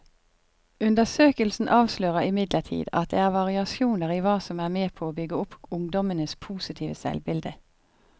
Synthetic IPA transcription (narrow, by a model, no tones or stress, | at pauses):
ʉnd̪əsøːkəlsn̩ʔɑːʋsløːʁəɪmɪd̪ləʈʰḭːd̪ɑ̰t̪̚d̪ḛːæːʁʋɑʁɪɑsjuːnəʁiːʋɑːsɔmæːʁmeːpʰoːoːbʏɡəʊpʊŋd̪ɔmənəspʰuːsɪt̪ʰiːʋəsɛ̰lbɪld̪ə